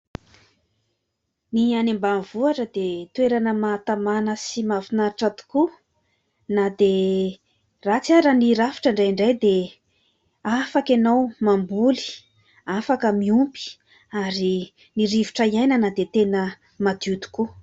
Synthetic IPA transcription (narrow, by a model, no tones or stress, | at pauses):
nianembanvuaʈ͡ʂəd̪et̪uweɾanəmat̪amanəsimavinaʈ͡ʂat̪u̥ku | nad̪e | rat͡siaɾəniɾafi̥ʈ͡ʂaɳɖ͡ʐajiɳɖ͡ʐajd̪e | afakanawmambuli̥ | afakəmiumpi̥ | aɾi | niɾiviʈ͡ʂaiajnənad̪et̪enə | mad̪ud̪u̥ku